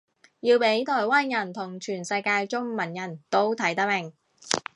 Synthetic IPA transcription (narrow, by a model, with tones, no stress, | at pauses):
jiː˧wpe˨˥jt̪ʰɔː˨˩jwaː˥njɐ˨˩nt̪ʰʊ˨˩ŋt͡ʃʰyː˨˩nsɐ˧jkaː˧jt͡ʃʊ˥ŋmɐ˨˩njɐ˨˩nt̪o˥wt̪ʰɐ˨˥jt̪ɐ˥mɪ˨˩ŋ